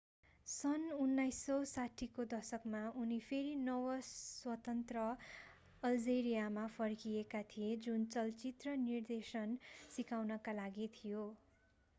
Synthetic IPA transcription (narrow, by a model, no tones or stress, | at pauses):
sʌnunːajsːʌwsaʈʰikod̪ʌsʌkmaunipʰeɾinʌwʌswʌt̪ʌnt̪rʌ | ʌld͡zeɾijamapʰʌrkiekat̪ʰijed͡zunt͡sʌlt͡sit̪rʌnird̪esʌnsikawnʌkalaɡit̪ʰijo